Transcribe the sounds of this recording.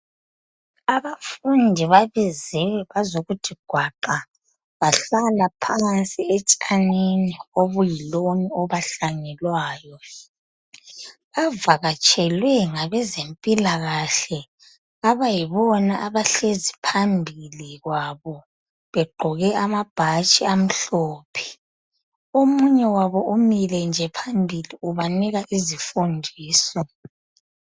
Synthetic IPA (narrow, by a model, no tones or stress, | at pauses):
aβafundʱiβaβizɛwɛβazoɣutʰiɡ̥ʱwaǃa | βaɬalapʰant͡sʼiet͡ʃʼaninioβujiloniɔβaɬaŋɛlwaːjɔ | βavaɣat͡ʃʼɛlwɛŋaβɛzempʼilaɣaɬɛ | aβajiβɔnaʔaβaɬezipʰambʱiliɣwaβɔ | βɛɡ͡ǃʱɔɣɛamab̥ʱat͡ʃʼiam̩ɬoːpʰi̥ | omuɲɛwaβɔʔumilɛnd͡ʒʱɛpʰambʱiliuβaniɣaʔizifundʱiːsɔ